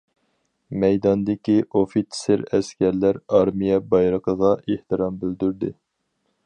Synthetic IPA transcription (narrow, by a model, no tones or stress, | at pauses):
mɛjd̪ɑnd̪ɪkʲiʔofit̪ʰsɪɾɛskʲæɾlæɾɑɾmijɛbɑjɾəqəʁɑeht̪ʰɨɾɑmbɪld̪yɾd̪ɪ